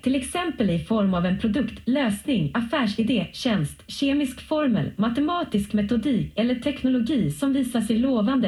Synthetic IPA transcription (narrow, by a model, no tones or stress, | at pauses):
t̪ʰɪlɛksɛmpəlɪfɔɾmavɛnpʰɾʊd̪ɵkt̪løːsnɪŋafæːʂɪd̪eːɕɛnst̪ɕeːmɪskfɔɾmə̰lmat̪ɛmɑːt̪ɪskmɛt̪ʊd̪iːkɛlːəʈʰɛknʊlʊɡiːsɔmviːsasɛjloːvand̪ə